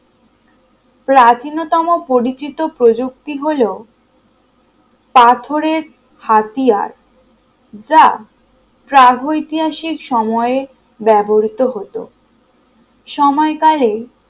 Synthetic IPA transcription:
pɾat͡ɕinot̪ɔmopoɾit͡ɕit̪opɾod͡ʑok̚t̪iɦolo | pat̪ʰoɾeɾ | hat̪ija̰ɾ | d͡ʑa | pɾaɡʱojit̪iɦaʃikʃɔmɔee | bɛboɾit̪oɦot̪o̰ | ʃɔmɔekale

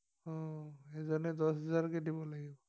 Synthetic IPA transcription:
ɔ̃ezanɛdɔsɦazaɹkɛdibɔlaɡibɔ

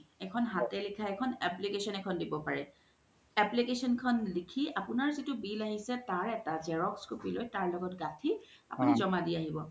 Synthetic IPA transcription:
ɛkʰɔnɦatɛlikʰaɛkʰɔnɛplikesɔnɛkʰɔndibɔpaɹɛ | ɛplikesɔnkʰɔnlikʰiapʊnaɹzitʊbilaɦisɛtaɹɛtazɛɹɔkskupilojtaɹlɔɡɔtɡatʰi | a̰punizɔmadiaɦibɔ

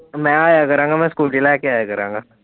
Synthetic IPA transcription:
mɛ̃aːjakɐɾãːŋɡamɛ̃skuːlʈilaɛkeaːjakɐɾãːŋɡaː

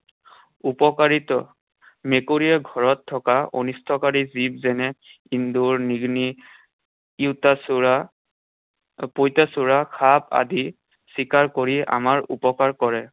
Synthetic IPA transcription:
upɔkaɹitɔ̰ | mekoɹijɛɡʱɔɹɔtʰːɔkao̰nistʰɔkaɹizibzɛnɛ | induɹniɡni | iwtasa | pojtasuɹakʰapa̰di | sikaɹkoɹia̰maɹṵpɔkaɹkɔɹɛ

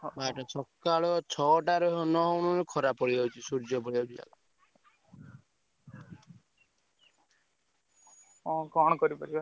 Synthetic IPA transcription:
baʈɔsɔkːaɭɔt͡ʃʰɔʈaɾɔnɔɦɔwnɔɾɔkʰɔɾapɔɽiɔwt͡ʃʰisuɾd͡ʒɔpɔɽiɦɔwt͡ʃʰia̰lɔ | ɔ̃kɔɽɔkɔɾipɔɾiba

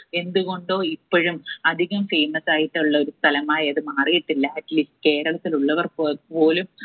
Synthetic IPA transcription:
e̞nd̪uɣo̞ɳɖo̞ːipːoɻumɐd̪ʱiɣɐmfeːmɐsaːjiʈːɐuɭːɐo̞ɾust̪ʰɐlɐmaːjɐɐðɨmaːrijiʈːilːɐɐʈːliːsʈɨke̞ːɾɐɭɐt̪ːiluɭːɐʋɐrpo̞ːlum

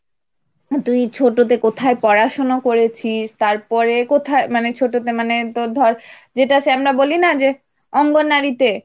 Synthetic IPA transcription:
t̪ujt͡ɕʰoʈot̪̬ekot̪ʰaepɔɾaʃonokoɾet͡ɕʰiʃt̪aɾpɔɾekot̪ʰaemanet͡ɕʰoʈot̪emanet̪od̪ʱɔɾ | d͡ʑeʈaʃeamɾabolinad͡ʑe | ɔŋɡoɾnaɾit̪e

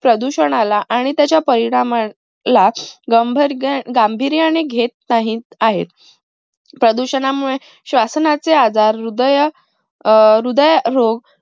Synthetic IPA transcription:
pɾəd̪uɕəɳ̃alaʔaɽ̃it̪jat͡ɕjapəɾiɽ̃ama | laɡəmbʱɾɡambʱiɾjañeɡʱet̪̚naɦiːt̪aɦḛt̪̚ | pɾəd̪uɕənamuɭe | ɕʋasnat͡sead͡zaɾːud̪əj | ɾud̪əjɾoɡ

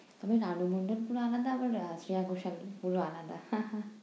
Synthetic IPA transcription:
t̪ɔbenanubʱoɳɖolpuɾoanad̪aabaɾsɾiakoʃalpuɾoanad̪ahãã

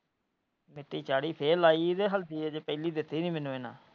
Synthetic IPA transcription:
mɪʈːiːt͡ʃaːɽiːpʰeːlaːiːɪd̪eːɦəlt̪iːɛːd͡ʒeːpɛːliːd̪ɪt̪ːiːnĩːmɛ̃ːnũːeːnã̰ː

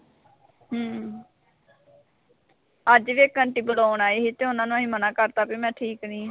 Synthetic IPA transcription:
ɦəː | əd͡ʒʋeːkəɳʈiːbəlaːʊɳaːiːɦiːt̪eːʊnãːnũːəɦĩːmənaːkəɾt̪aːpiːmɛ̃ːʈʰiːknĩː

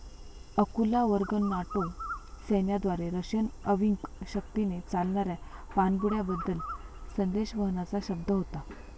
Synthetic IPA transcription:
əkulaʋəɾɡənːaʈosenjad̪ʋaɾeɾəɕənəʋiŋkɕək̚t̪inet͡salɳaɾjapanɡuɽjabəd̪ːəlsənd̪eɕʋəɦnat͡saɕəb̚d̪əɦot̪a

